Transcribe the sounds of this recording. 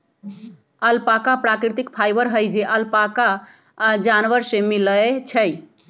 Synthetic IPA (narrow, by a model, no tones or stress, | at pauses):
əlpakapɾakɾit̪ikpʰajbəɾɦəjd͡ʒeʔəlpaka | d͡ʒanʋəɾsemiləet͡ʃʰəj